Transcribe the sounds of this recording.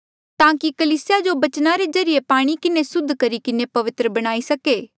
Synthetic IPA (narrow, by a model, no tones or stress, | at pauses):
t̪ãːkikɐliːsɪjad͡ʒobɐt͡ʃnaɾezɐɾɪjepaːɽ̃ikɪnesʊd̪ʱːkɐɾikɪnepɐʋɪt̪ɾəbɐɽ̃aːisɐkeː